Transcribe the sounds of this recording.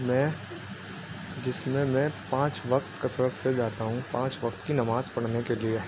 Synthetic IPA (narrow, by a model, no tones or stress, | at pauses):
mɛ̃ | d͡ʒɪsmẽmɛ̃pãːt͡ʃʋɐkt̪kɐsɾəksed͡ʒaːt̪aɦũpãːt͡ʃʋɐkt̪kinɐmaːzpɐɽnekelie